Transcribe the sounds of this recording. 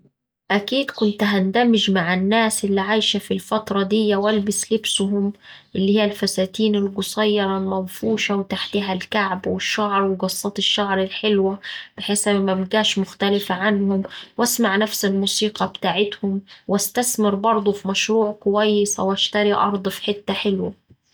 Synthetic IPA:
ʔækiːd̪kʊnt̪ɦand̪amɪʒmaʕanːaːsʔɪlːiʕajʃafilfɑt̪ɾˤɑd̪ɪjːawʔalbɪslɪbsʊɦʊmʔɪlːiːhɪjːalfasaːt̪iːnɪlɡʊsˤɑjːɑɾˤɑlmanfuːʃɑwɪt̪aħt̪ɪɦalkaʕbwɪʃːaʕɾˤwɪɡɑsˤːɑt̪ɪʃːaʕɾɪlħɪlwab̥ɪħeːsabmːæbɪɡaːʃmʊxt̪alɪfaʕanhʊmwʔasmaʕnafsɪlmuːsiːqɑbɪt̪aːʕɪt̪hʊmwʔæst̪asmɪɾbɑɾˤd̪ˤʊfimæʃɾuːʕkʊwæjːɪswʔaʃt̪ɑɾiʔɑ̰ɾˤd̪ˤfi̥ħɪt̪ːaħɪlwa

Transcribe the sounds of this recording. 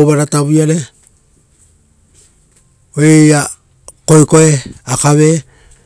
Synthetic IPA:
βaɾataβiaɾe | oeja | kojko̞eakaβe̞

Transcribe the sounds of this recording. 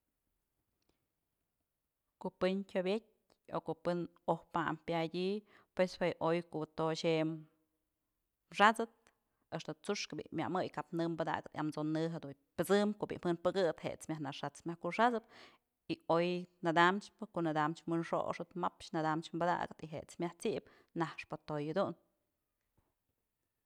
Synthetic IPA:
koʔpɨnkʲobʲet̚ʲ | okoʔpɨnohpa̰mpjadʲipweswejʔojkoʔt̪oʃem | ʂat͡sɨt̪̚ | eʂt̪ot͡suʂkɨbḭʔmja̰ʔmɨjkapnɨmbɨd̪a̰ɡɨt̪iamt͡sonɨɦad̪u | pʲɨt͡sɨmkoʔbḭʔmhɨnpɨɡɨt̪hḛʔt͡smʲjahnaʂat͡smʲjahkuʂat͡sɨp | iojnad̪amt͡ʃpɨkoʔnad̪amt͡ʃmɨnʂo̰ʔʂɨt̪mapʃnad̪amt͡ʃmbad̪a̰ʔɡɨt̪iɦeʔt͡smʲjaht͡siʔp | nahʂpɨt̪ojɨd̪un

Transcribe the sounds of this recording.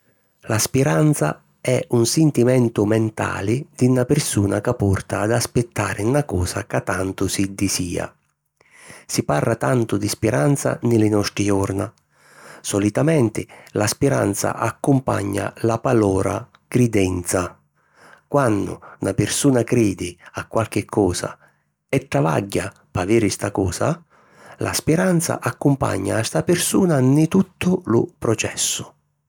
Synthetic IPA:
laspiɾant̪sa̰ | ɛunsɪnt̪imɛnt̪ʊmɛnt̪a̰ːlɪd̪̥inapɪrsuːnakapːɔrt̪aːd̪aspɪt̪ːaːɾʔɪnakɔːsa̰kat̪ːant̪ʊsid̪isiːa̰ | siparːat̪ant̪ʊd̪ispiɾant̪sa̰nɪlɪnɔst̪ɾiɔrna | sɔlit̪amɛnt̪ɪ̰laspiɾa̰nt̪sa̰ʔakːʊmpa̰ɲːa̰lapalɔːɾa̰ | kɾid̪ɛnt̪sa | kwanːʊ̰napɪɾsuːnakɾiːd̪ɪakːwalk̟ɪkʰːɔːsa̰ | ɛʈ̪ːɾava̰ɟːa | paviːɾɪst̪akɔːsa | lʔa̰spɪɾant̪sa̰ʔakːʊmpa̰ɲːa̰ːst̪apɪrsuːnanɪt̪ut̪ʰːʊlʊpɾɔt͡ʃɛ̰sːʊ̥

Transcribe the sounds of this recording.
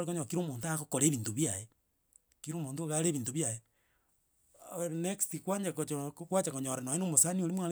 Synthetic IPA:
koɲoakiɾomoːntakokoɾeβiːntoβjaje | kiɾomoːntoɣaɾeβiːntoβjaje | nekstikwaɲakokokwat͡ʃakoɲoɾanoenomosanioɾimwaɾe

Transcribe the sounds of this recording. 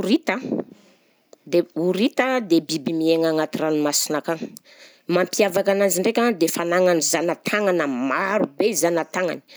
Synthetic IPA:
ɾit̪ə | d̪euɾit̪əd̪ebibimieŋaŋat̪iranimasinakaŋ | mampiavakanand͡ʒiɳɖ͡ʐekʲaŋd̪efanaŋanizanat̪ʰaŋanəmaɾubeizanat̪aŋa̰ni

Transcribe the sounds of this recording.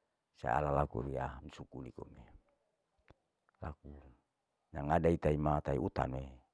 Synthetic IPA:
sa̰a̰lalakṵɾiamisukunikome | laku | ɲaŋadait̪aimat̪aiʔut̪a̰nwe

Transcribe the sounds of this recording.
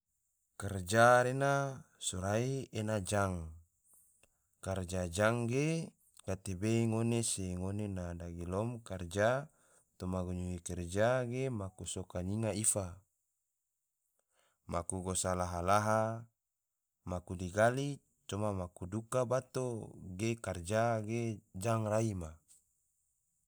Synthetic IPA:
kɛrd͡ʒaɾenasuɾaienad͡ʒaŋ | kard͡ʒad͡ʒaŋɡe | ɡ̥at̪ebeiŋoneseŋonenadaɡilɔmkard͡ʒa | t̪omaɡuɲuikɛrd͡ʒaɡemakusokaɲiŋaifa | makuɡosalaɦalaɦa | makudiɡali | t͡ʃomamakudukabat̪oɡekard͡ʒaɡed͡ʒaŋraima

